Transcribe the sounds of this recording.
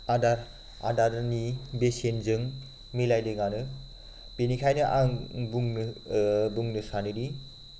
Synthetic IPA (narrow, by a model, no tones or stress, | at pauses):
adaɾ | a̰daɾɯnibesenzɯŋ | milajdɯɡanɯ | penikʰajnɯʔaŋbuŋnɯbuŋnɯsaniɾi